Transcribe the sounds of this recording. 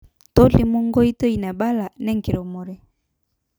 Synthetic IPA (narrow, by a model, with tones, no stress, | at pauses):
to˦le˨mo˦ŋɡo˦i˦to˦i˨na˨ba˦la˨nɛ˦ŋ˨ke˨ɾo˨mo˨ɾɛ˦